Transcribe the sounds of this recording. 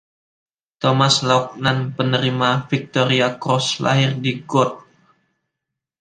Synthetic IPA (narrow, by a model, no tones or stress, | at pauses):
t̪ɔmaslɔk̚nanpənəɾimafik̚t̪oɾiakɾɔsla̰ɦɪrdiɡɔt̪̚